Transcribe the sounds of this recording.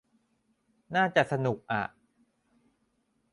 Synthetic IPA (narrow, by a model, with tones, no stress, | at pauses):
naː˥˩t͡ɕa˨˩ʔsa˧nu˨˩k̚ʔa̰˨˩ʔ